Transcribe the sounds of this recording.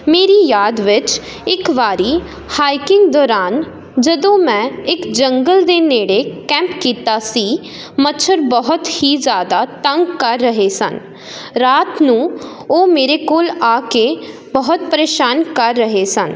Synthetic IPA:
meːɾiːjaːd̪ʋɪt͡ʃ | ɪkʋaːɾiː | haːɪkɪ̃ŋɡd̪ɔːɾaːn | d͡ʒəd̪õːmɛ̃ːɪkd͡ʒəŋɡəld̪eːneːɽeːkɛ̃ːmpkiːt̪aːsiː | mətːt͡ʃʰəɾbəɦʊt̪hiːzjaːd̪aːt̪ə̃ŋɡkəɾːəɦeːsə̰n | ɾaːt̪nũːoːmeːɾeːkoːlaːke | bəɦʊt̪̚pəɾeːʃaːnkəɾːəɦeːsən

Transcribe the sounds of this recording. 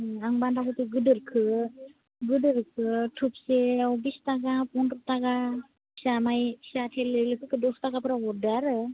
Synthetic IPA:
aŋbandakupiɡɯdɯɾkʰɯ | ɡɯdɯɾkʰɯtʰup̚seɔbistaɡapɔntup̚taɡa | pʰi̥samajpʰi̥satʰelːɯlɯkʰɯkʰɯdɔstaɡapɯɾawɔɾdɯaɾɯ

